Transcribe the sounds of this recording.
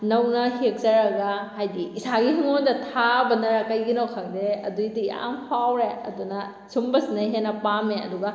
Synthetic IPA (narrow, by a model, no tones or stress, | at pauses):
nɐwnɐhek̚zɐɾɐɡɐhajdiːsaɡiɦiŋondɐtʰabɐnɐɾɐkɐjɡinowkʰɐk̚deɐ̰dujdiia̰mpʰawɾeɐ̰dunɐ | sʰumbɐsinɐɦenːɐpameɐ̰duɡɐ